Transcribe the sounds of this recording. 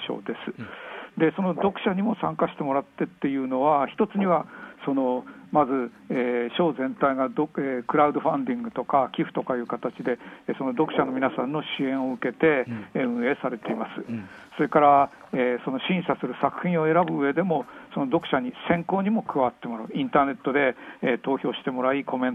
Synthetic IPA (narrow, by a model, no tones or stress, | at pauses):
ɕo̰ːd̪e̞sɨ̥d̪e̞so̞no̞d̪o̞kɯ̟̥ɕaɲ̟imo̞sãŋkaɕi̥t̪e̞mo̞ɾat̪ːe̞t̪ːe̞jɯ̟ːno̞βaçi̥t̪o̞t͡sɨɲ̟iβaso̞no̞mazɨ | eːɕo̞ːzẽ̞nt̪aiɡad̪oekɯ̟ɾaɯd̪o̞ɸãnd̪ʲĩŋɡɯ̟t̪o̞kakʲiɸɯ̟̥t̪o̞kajɯ̟ːkat̪at͡ɕid̪e̞so̞no̞d̪o̞kɯ̟ɕano̞mʲinasãnːo̞ɕiẽ̞ɰ̃o̞ɯ̟ke̞t̪e̞ɯ̟̃e̞ːsaɾe̞t̪e̞imasɨso̞ɾe̞kaɾa | eːso̞no̞ɕĩɰ̃sasɨɾɯ̟sakɯ̟̥çʲĩɰ̃o̞e̞ɾabɯ̟ɯe̞d̪e̞mo̞sono̞d̪o̞kɯ̟ɕaɲ̟isẽ̞ŋko̞ːɲ̟imo̞kɯ̟βat̪ːe̞mo̞ɾaĩnt̪aːne̞t̪ːo̞d̪e̞ːt̪o̞ːçʲo̞ːɕi̥t̪e̞mo̞ɾaiko̞mẽ̞n